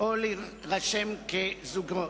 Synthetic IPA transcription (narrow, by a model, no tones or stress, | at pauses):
ʔoli | ʁaʃemkezuɡo